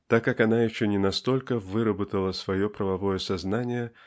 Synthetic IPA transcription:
t̪akːakɐnajɪɕːonʲɪnɐst̪o̞lʲkəvɨɾəbət̪əlˠəsvɐjopɾəvɐvo̞jəsɐznanʲɪjə

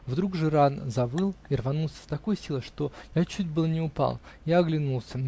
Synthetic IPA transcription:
vd̪ɾuɡʐɨɾanzɐvɨlˠirvɐnulˠsʲə̥st̪ɐko̞jsʲilˠəʂt̪o̞jat͡ɕut̚ʲbɨlˠnʲɪʊpa̰lˠjaɐɡlʲɪnulˠsʲə

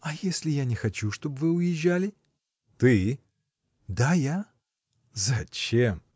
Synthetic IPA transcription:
ɐjesʲlʲɪjanʲɪxɐt͡ɕuʂt̪o̞bvɨʊjɪʒːalʲɪ | t̪ɨ | d̪aja | zɐt͡ɕem

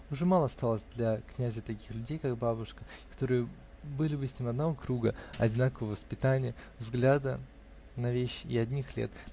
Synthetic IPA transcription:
ʊʐɛmalˠəɐst̪alˠəsʲd̪lʲɐknʲæzʲət̪ɐkʲi̥xlʲʉdʲejkaɡbabʊʂkə̥kɐ̥t̪o̞ɾɨjə | bɨlʲɪbɨsʲnʲimɐd̪nɐvo̞kɾuɡəɐdʲɪnakəvəvəspʲɪt̪anʲɪjə | vzɡlʲad̪ə | nɐvʲeɕːɪɐdʲnʲixlʲḛt̪

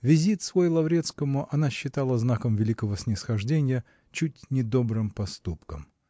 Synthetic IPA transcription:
vʲɪzʲit̪svojɪlˠɐvɾʲet̪skəmʊʔɐnaɕːɪt̪alˠəznakəmvʲɪlʲikəvəsʲnʲɪsxɐʐdʲenʲɪjə | t͡ɕutʲnʲɪd̪o̞bɾɨmpɐst̪upkəm

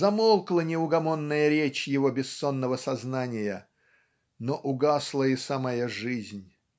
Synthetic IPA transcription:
zɐmolˠklˠənʲɪʊɡɐmo̞nːəjəɾʲet͡ɕjɪvo̞bʲɪsːo̞nːəvəsɐznanʲɪjə | noʔʊɡaslˠəɪsamajəʐɨzʲnʲ

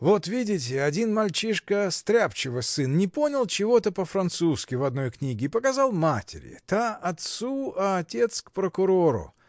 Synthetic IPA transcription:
vo̞t̪vʲidʲɪt̬ʲɪɐdʲinmɐlʲt͡ɕiʂkəst̪ɾʲapt͡ɕɪvɨsɨnnʲɪpo̞nʲɪlˠt͡ɕɪvo̞t̪əpəfɾɐnt̪suskʲɪvɐd̪no̞jknʲiɡʲɪːpəkɐzɑlˠmatʲɪ̰ɾʲɪ̰t̪aɐt̪suɐːtʲe̞t̪skpɾəkʊɾo̞ɾʊ̰

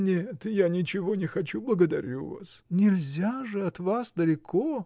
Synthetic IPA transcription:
nʲɪt̪əjanʲɪt͡ɕɪvo̞nʲɪxɐt͡ɕublˠəɡəd̪ɐɾʲṵva̰snʲɪlʲzʲaʐɨɐt̪vasd̪əlʲɪkʰo

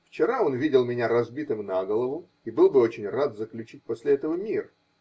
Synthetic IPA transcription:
ft͡ɕɪɾao̞nvʲidʲɪlˠmʲɪnʲaɾɐzbʲit̪ɨmnaɡəlˠəvʊ | ibɨlˠbɨo̞t͡ɕɪnʲrat̪zəklʲʉt͡ɕit̚ʲposʲlʲɪɛt̪əvəmʲirə

